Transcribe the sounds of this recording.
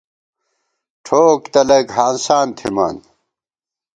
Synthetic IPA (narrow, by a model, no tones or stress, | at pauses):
ʈʰoːkt̪ɐlɐɡɦaːnsaːnt̪ʰima̰ːn